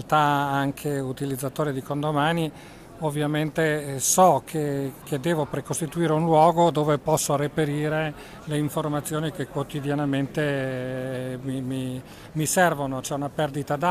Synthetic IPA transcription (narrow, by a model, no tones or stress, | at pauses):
lt̪aaŋkʰeut̪ilid̪zːat̪oːɾid̪ikond̪omaːni | ovːjament̪esɔkʰekʰed̪ɛːvopɾekost̪it̪uiːɾeunlwɔːɡod̪oːvepɔsːoɾepeɾiːɾe | leiɱformat̪sːjoːnikekːwot̪id̪janament̪e | mimi | misɛrvonot͡ʃɛunapɛrd̪it̪ad̪a